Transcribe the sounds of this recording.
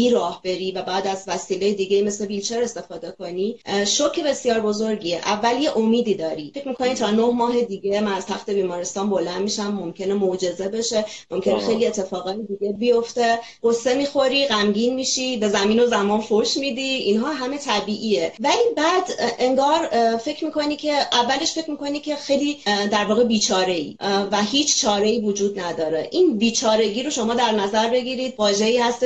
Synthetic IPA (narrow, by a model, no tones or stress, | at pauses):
iːɾɒːhbe̞ɾiːvæbæːd̪æzvæsiːlejed̪iɡejime̞sle̞bilt͡ʃʰe̞ɾe̞st̪e̞fɒːd̪e̞kʰo̞niʃocʰebe̞sjɒːɾbo̞zoɾɟiːeʔævːælje̞ʔomiːd̪iːd̪ɒːɾifecʰmiːkʰo̞nit̪ʰɒːnohmɒːɦe̞d̪iːɟemænæz̥t̪ʰæxt̪e̞biːmɒːɾest̪ɒːnbo̞lænd̪miʃæmːomcʰe̞nemod͡ʒe̞ze̞be̞ʃe̞mʔo̞mcʰe̞nexe̞jlie̞t̪ʰːe̞fɒːɣɒːjʰed̪iɟe̞bijo̞ft̪e̞ | ɡ̥osːe̞miːxo̞ɾiːɣæmɟiːnmiːʃibe̞zæmiːno̞zæmɒːnfoʃmid̪iinɦɒːɦæme̞t̪ʰæbiːʔiːevæliːbæd̪e̞ŋɡɒːɾfe̞cʰmiːkʰo̞nicʰe̞ʔævːæle̞ʃfe̞cʰmikʰo̞nicʲʰe̞xejliːd̪æɾvɒːɣe̞biːt͡ʃʰɒːɾe̞ḭːvæhiːt͡ʃʰt͡ʃʰɒːɾe̞iːvod͡ʒuːd̪næd̪ɒːɾeʔinbiːt͡ʃʰɒːɾe̞ɟiːɾo̞ʃo̞mɒːd̪æɾnæzæɾbe̞ɡiɾiːd̪̚vɒːʒe̞iːhæst̪